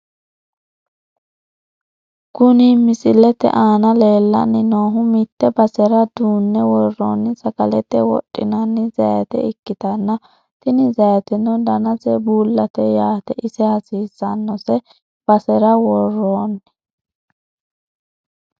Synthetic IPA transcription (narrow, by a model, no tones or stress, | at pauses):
ɡʊnimɪsʼɪlɛt̪ɛ̰ʔaːnɐle̞ːlːɐ̰nːɪnoːɦʊmɪt̪ːɛbɐsɛɾɐd̪uːnːɛwɔrːo̰ːnːɪsɐkɐlɛt̪ːɛwɔ̰tʼːɪ̰nɐnːɪzɐ̰jɐt̪ɛ̰ɪkːɪt̪ɐnːɐ | t̪ɪnɪzɐjɐt̪ɛnɔd̪ɐnɐsɛbuːlːɐt̪ɛjaːt̪ɛʔɪsɛhɐsiːzːɐnːɔsɛ | b̥ɐsɛɾɐwɔrːoːnː